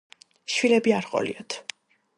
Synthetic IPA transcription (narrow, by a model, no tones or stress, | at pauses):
ʃwilɛbiaɾqʼɔ̰lḭɔt̪ʰ